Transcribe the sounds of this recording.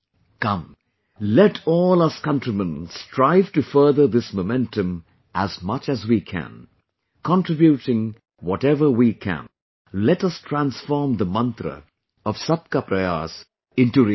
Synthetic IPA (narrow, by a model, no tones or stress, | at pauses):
kʌ̃m | lɛʈʰɔːlˠaskʌ̃ntɹimə̃nstʰɹaɪv̥ʈɨfɜ˞ðə˞ðɪsmomɛ̃ntɨ̃m | ʔæzmʌt͡ʃæzwikʰæ̰̃n | kʰɑ̃ntɹɪbjutɪ̃ŋ | wɔʈɛvə˞wikʰæ̰̃n | lɛʈʌstʰɹæ̃nsfɔɹmd̪əmʌ̃nt̪ɾə̰ | ɔv̥sʌp̚kapɾəja̰s | ɪ̃ntuɾi